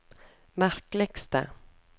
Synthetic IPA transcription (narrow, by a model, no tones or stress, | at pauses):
maɾklɛɡst̪ə̰